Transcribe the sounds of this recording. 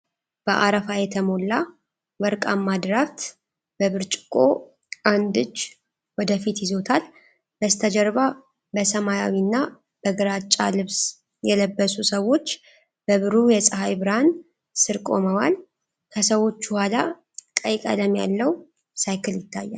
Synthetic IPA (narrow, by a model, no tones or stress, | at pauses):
b̥əʔaɾəfajɛt̪ʰəmo̞lːa | wəɾkʼamːad̪ɾaft̪ | b̥əβɨɾt͡ʃʼɪkʼo | ʔand̪ɨt͡ʃː | wɔd̪əfit̪jɪzo̞t̪ʰal | b̥əst̪ʰəd͡ʒəɾβa | bəsəmaja̰winːa | b̥əɡɨɾat͡ʃʼa̰lɨβs | jɛləbːəsusəwːo̞t͡ʃː | b̥əβɨɾujɛsʼɨɦajbɨɾan | sɨɾkʼo̞məwal | kʰəsəwo̞t͡ʃːbəhʷala | kʼəjkʼə̰ləmja̰lːəw | sajkʰɨljɪt̪ːajːa̰l